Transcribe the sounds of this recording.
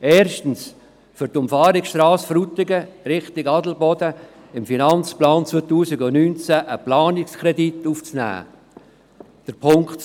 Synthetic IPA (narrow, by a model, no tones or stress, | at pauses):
ɛːrʃtən̩s | fʏɾtʊmfɑːɾɪksʃtrɑːsfɾut̪ɪɡəɾɪχtɪɡɑdl̩bɔdə | ɪmfinɑnt͡splɑːnt͡sot̪uːsɪɡʊnyːnt͡sæʔəplɑːnɪkskʰrɛdit̪uːft͡snæ̰ː | d̥əɾpʰʊŋkt